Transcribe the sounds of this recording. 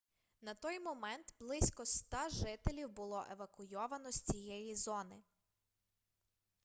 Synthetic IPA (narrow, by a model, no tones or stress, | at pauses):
nɐt̪ɔjmɔmɛnt̪blˠɪsʲkɔst̪ɑʒɪt̪elʲiwbʊlˠɔʔeʋɐkʊjɔʋɐnɔsʲt͡sʲijɛjizɔnɪ